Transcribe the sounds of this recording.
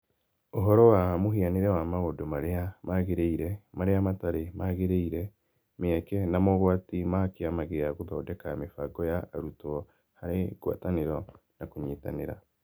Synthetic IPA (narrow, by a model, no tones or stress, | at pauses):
oɦɔɾɔwamoɦianeɾɛwamaɣodomaɾeamaɣeɾeiɾɛmaɾeamataɾemaɣeɾeiɾɛ | meakɛnamɔɣwatimakeamaɣejaɣoðaodɛkamefaɡɔjaːɾutɔ | haɾeɡwa̰taneɾɔ | nakuɲeːta̰neɾa̰